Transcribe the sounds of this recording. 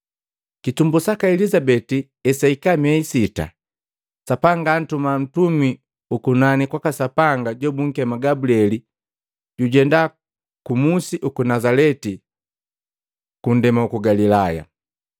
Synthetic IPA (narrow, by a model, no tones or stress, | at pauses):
kitumbusakaɛlizabɛti | ɛsaikamɛisita̰ | sapaŋɡaːn̩tumam̩tumi | ukunanikwakasapaŋɡaɟɔbuŋ̩kɛmaɡabuliɛli | ɟuɟɛnda | kumusiʔukunazalɛti | kun̩dɛmaukuɡalilaja̰